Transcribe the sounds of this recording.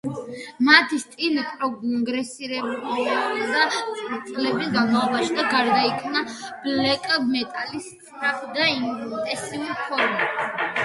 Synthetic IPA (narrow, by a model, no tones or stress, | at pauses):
mat̪ʰist̪ʼilipʼɾɔɡŋɡɾɛsiɾɛbulianɛd̪at̪sʼlɛbɛɡanmaɔbaʃid̪aɡaɾd̪aikʰmnab̥lɛkʼmɛt̪ʼalisʼɾapʰd̪ait̪ʼɛsiulpʰɔɾma